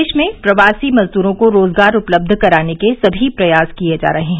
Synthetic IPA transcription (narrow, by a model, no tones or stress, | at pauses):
ʃmẽpɾɐʋaːsimɐzd̪uːɾõkoɾoːzɡaːɾʊpləb̚d̪ʱkɐɾaːnekesɐbʱipɾɐjaːskied͡ʒa̰ːɾɐɦeɦɛ̃